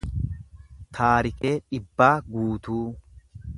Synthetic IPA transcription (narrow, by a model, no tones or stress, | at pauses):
t̪ʰaːɾɪke̞ːᶑɪbːaːɡuːt̪uː